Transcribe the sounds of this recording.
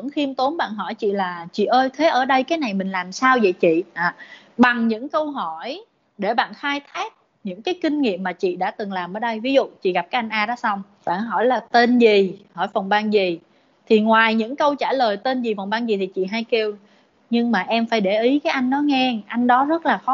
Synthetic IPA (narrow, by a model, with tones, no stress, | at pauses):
ə˧˥ŋxi˧əmt̪o˨˦nɓa̰ː˧˨nɦɔ˧˩jt͡ɕḭ˧˨laː˨˩t͡ɕḭ˧˨ʔəː˧jt̪ʰe˨˦ʔəː˧˩ɗə˧jkaː˨˦jna˨˩jmï˨˩ŋ̟laː˨˩msaː˧wzə̰˧˨t͡ɕḭ˧˨ʔaː˨˩ | ɓa˨˩ŋɲɨ̰˧˥ŋkə˧wɦɔ˧˩j | ɗe˧˩ɓa̰ː˧˨nxaː˧jt̪ʰaː˦˥k̚ | ɲɨ̰˧˥ŋkaː˨˦jkï˧ŋ̟ŋḭ˧˨əmːaː˨˩t͡ɕḭ˧˨ɗa̰ː˧˥t̪ɨ˨˩ŋlaː˨˩mʔəː˧˩˦ɗə˧jvi˨˦zṵ˧˨t͡ɕḭ˧˨ɣa˨˩p̚kaː˦jʔa˧jŋ̟ʔaː˧ɗɔ˨˦sa˧wŋ͡m | ɓa̰ː˧˨nɦɔ˧˩jlaː˨˩t̪e˧nzi˨˩hɔ˧˩jfə˨˩nɓaː˧nzi˨˩ | t̪ʰi˨˩ŋwaː˨˩jɲɨ̰˧˥ŋkə˧wt͡ɕaː˧˩ləː˨˩jt̪e˧nzi˨˩fə˨˩nɓaː˧ŋzi˨˩t̪ʰi˨˩t͡ɕḭ˧˨ɦaː˧jke˧w | ɲɨ˧ŋmaː˨˩ʔɛ˧mfaː˧˩jɗe˧˩ʔi˨˦kaː˨˦jʔa˧jŋ̟ɗɔ˨˦ŋɛ˧ʔa˧jŋ̟ɗɔ˨˦zə˦˥t̚laː˨˩xɔ˨˦